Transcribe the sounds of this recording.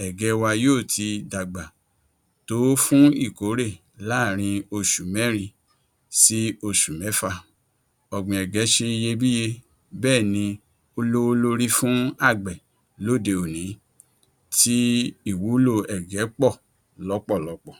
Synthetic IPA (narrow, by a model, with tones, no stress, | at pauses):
ɛ˨ɡɛ˨˦wa˧joː˦˨ti˧da˨ɡ͡ba˨ | to˨˦fũ˦i˦˨ko˨˦ɾe˦˨ | la˦˨ɾ̃ĩ˧o˧ʃu˨mɛ̃˦ɾ̃ĩ˧ | si˦o˧ʃu˨mɛ˨˦fa˧ | ɔ˨ɡ͡bɔ̃˨ɛ˨ɡɛ˨˦ʃe˧i˧je˧bi˦je˧ | bɛː˦˨nĩ˧ | o˧lo˦˧lo˧ɾi˦fũ˦a˦˨ɡ͡bɛ˨ | lo˦˨de˧o˨nĩ˨˦ | ti˦i˦˨wu˨˦lo˧ɛ˨ɡɛ˨˦k͡pɔ˦˨ | lɔ˨˦k͡pɔ˦˨lɔ˨˦k͡pɔ˦˨